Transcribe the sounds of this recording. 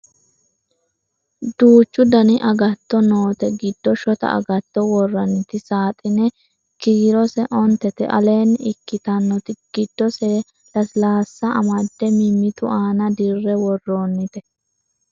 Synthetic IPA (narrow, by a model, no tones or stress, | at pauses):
d̪uːt͡ʃːʊd̪ɐnɪʔɐɡɐt̪ːɔnoːt̪ɛɡɪd̪ːɔʃɔt̪ɐ̰ʔɐ̰ɡɐt̪ːɔwɔrːɐnɪt̪ɪsaːt̪ʼɪnɛ | kiːɾɔsɛʔɔnt̪ːɛt̪ɛ̰ʔɐ̰le̞ːnɪkːɪt̪ɐnːɔt̪ɪɡ̥ɪd̪ːɔsɛ | lɐslaːsːɐʔɐ̰mɐd̪ːɛmɪmːɪt̪ʊʔaːnɐd̪ɪrːɛwɔrːo̞ːnːɪt̪ɛ